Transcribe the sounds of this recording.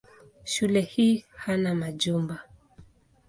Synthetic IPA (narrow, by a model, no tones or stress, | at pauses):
ʃulɛhiːhanamaʄumba